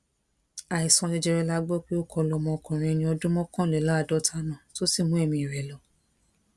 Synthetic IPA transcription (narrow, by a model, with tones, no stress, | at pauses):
a˨i˨sɔ̃˨˧nĩ˧d͡ʒɛ˧ɾɛ˧la˦ɡ͡bɔ˦k͡pi˦o˦˨kʰɔ˧lɔ˧˨mɔ̃˧˨kɔ̃˨ɾ̃ĩ˧nĩ˧˦ɔ˧dũ˦mɔ̃˦kɔ̃˦˨lɛ˨lã˦a˧˨dɔ˦tʰa˧nã˨to˦si˦˨mũ˦e˦˨mĩ˧i˨ɾɛ˨lɔ˨